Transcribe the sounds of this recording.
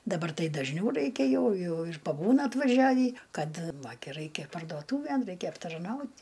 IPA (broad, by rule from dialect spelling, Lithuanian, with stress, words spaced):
dɐˈbɐr ˈtɐɪ dɐʒʲˈnʲɛʊ ˈrɐɪkʲɛ ˈjɛʊ ˈjɛʊ ɪr pɐˈbuːnɐ ɐtʋɐˈʒʲæːʋʲiː ˈkɐt ˈʋɐ ɡʲɪ ˈrɐɪkʲɛ pɐrduɔˈtuːʋʲeːn ˈrɐɪkʲɛ ɐptɐrˈnɐʊtʲ